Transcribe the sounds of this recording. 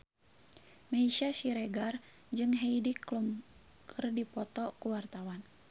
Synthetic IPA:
meiʃasiɾɛɡar | d͡ʒɨŋɦeidiklum | kərdipɔt̪ɔkuwart̪awan

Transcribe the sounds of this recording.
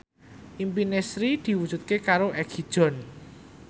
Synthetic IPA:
ʔimpinesɾid̪̥i̤wud̥ʒ̥ṳt̪̚kekaɾoʔɛɡ̥id̥ʒ̥ɔ̤n

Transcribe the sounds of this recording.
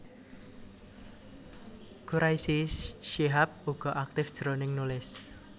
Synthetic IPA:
kuɾaisisʃiɦap̚uɡ̥ɔ̤ʔak̚t̪ɪfd̥ʒ̥ɾonɪŋnulɪs

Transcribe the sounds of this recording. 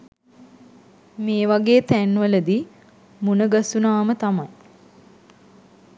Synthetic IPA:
meːʋaɡeːt̪ænːʋələd̪i | munəɡasunaːmət̪amaj

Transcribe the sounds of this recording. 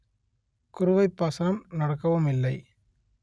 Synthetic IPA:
kʊɾʊʋɐɪpːɐsɐnɐmnɐɽɐkːɐʋɯmɪlːɐɪ

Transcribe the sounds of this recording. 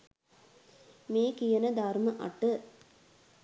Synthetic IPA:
meːkijɐnɐd̪aːɾmɐʔɐ̰ʈːɯ

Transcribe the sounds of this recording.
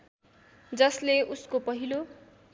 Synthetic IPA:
d͡zʌsleuskopʌɦilo

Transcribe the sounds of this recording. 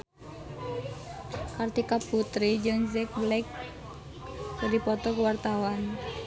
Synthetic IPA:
kart̪ikapːut̪ɾid͡ʒɨŋzɛk̚blɛk̚ | kɨrdipɔt̪ɔkəwart̪awan

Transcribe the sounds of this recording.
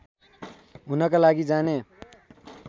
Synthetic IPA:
ɦunʌkalaɡid͡zane

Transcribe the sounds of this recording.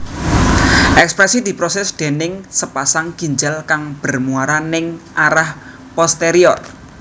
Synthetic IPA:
ʔɛkspɾɛsid̪̥i̤pɾɔsɛsd̪̥e̤nɪŋsəpasaŋkiɲd͡ʒalkaŋb̥ə̤rmuaɾanɪŋʔaɾah | pɔst̪eɾiɔt̪̚

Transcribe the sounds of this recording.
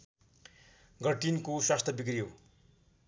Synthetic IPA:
ɡʌʈinkoswast̪ʰʌbik̬rijo

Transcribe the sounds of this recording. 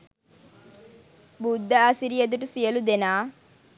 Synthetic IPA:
bud̪ʱːɐːsiɾijɐd̪uʈusijɐlud̪enaː

